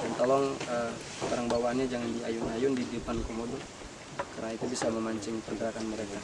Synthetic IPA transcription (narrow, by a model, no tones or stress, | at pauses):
dant̪ɔlɔŋə | baɾaŋbawanɲad͡ʒaŋandiajʊnajʊndidəpankomodʊ | karnait̪ubisaməmaɲt͡ʃɪŋpəŋɡəɾakanməɾeka